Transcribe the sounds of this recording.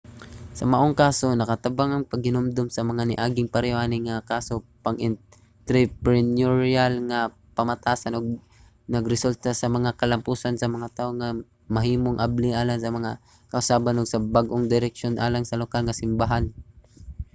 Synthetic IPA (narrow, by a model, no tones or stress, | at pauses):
sɐmɐʔoŋkaːso̞nɐkɐt̪ɐbaŋɐŋpɐɡ̚hɪnomd̪omsɐmɐŋanɪʔaːɡɪŋpɐɾɪʔaːnɪŋɐkaːso̞pɐŋʔɪn | t̪ɾɪpɾɛnjoɹjalŋɐ | pɐmɐt̪aːsanoɡ̚ | nɐɡɾɛsult̪asɐmɐŋakɐlɐmpuːsansɐmɐŋat̪aːʔoŋɐ | mɐɦiːmoŋʔablɪŋʔaːlaŋsɐmɐŋa | kɐʔʊsaːbanoɡsɐbaɡʔoŋd̪ɪɾɛk̚ʃo̞nʔaːlaŋsɐlokalŋɐsɪmbaɦan